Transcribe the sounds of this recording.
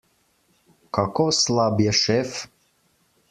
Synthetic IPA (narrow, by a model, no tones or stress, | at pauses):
kɑkoslˠɑbjaʃef